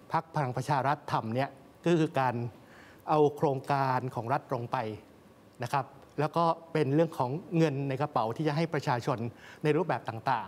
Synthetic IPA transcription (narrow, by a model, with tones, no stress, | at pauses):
pʰa˦˥k̚pʰa˧ɾa˨˩˦ŋpɾa˧t͡ɕʰaː˧ɾa˦˥t̪ʰːa˧mni˥ɐ | kɔː˥˩kʰɯː˧kaː˧n | ʔa˧wkʰɾoː˧ŋkaː˧nkʰɔː˩˦ŋɾa˦˥t̪̚lo˧ŋpa˧j | na˦˥kʰɾa˦˥p̚ | lɛː˦˥wkɔː˥˩pe˧nɾɯ˥˩əŋkʰɔː˩˦ŋːɤ˧nːa˧jka˧pa˩˦wt̪ʰiː˥˩t͡ɕa˨˩ɦa˥˩jpɾa˧t͡ɕʰaː˧t͡ɕʰo˧nːa˧jɾu˥˩p̚bɛː˨˩p̚t̪aː˨˩ŋt̪aː˨˩ŋ